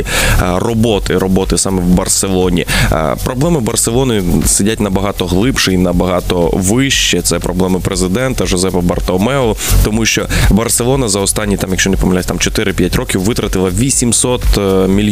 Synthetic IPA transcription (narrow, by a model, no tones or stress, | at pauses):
irɔbɔt̪ɪɾɔbɔt̪ɪsɑmɛwbɐrselˠɔnʲḭpɾɔblˠɛmɪbɐrselˠɔnɪsɪdʲatʲnɐbɐɦɑt̪ɔɦlˠɪpʃɪinɐbɐɦɑt̪ɔʋɪʃt͡ʃɛt̪sɛpɾɔblˠɛmɪpɾezɪd̪ɛnt̪ɐʒɔzɛpɐbɐrt̪ɔmɛɔt̪ɔmuʃt͡ʃɔbɐrselˠɔnɐzɐɔst̪ɑnʲːit̪ɑmjɐkʃt͡ʃɔnɪpɔmɪlʲasʲt̪ɑmt͡ʃɔt̪ɪɾɪpʲjatʲrɔkʲiwʋɪt̪ɾɐt̪ɪlˠɐʋʲisʲimsɔt̪mʲilʲ